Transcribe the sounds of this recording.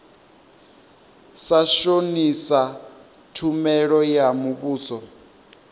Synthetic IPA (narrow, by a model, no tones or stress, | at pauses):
saʃonisa | tʰumɛɺɔjamuβuːsɔ